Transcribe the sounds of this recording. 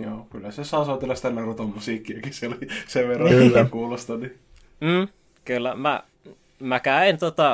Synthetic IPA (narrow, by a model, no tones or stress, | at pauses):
joːkylːæsesɑˑsoˑt̪ilːɑsit̪ænerut̪ommusiːkːiɑkiseoliseʋʋerːɑit̪ækuːlost̪ɑni | m̩ː | kylːæmæ̰ | mækæint̪ot̪ɑ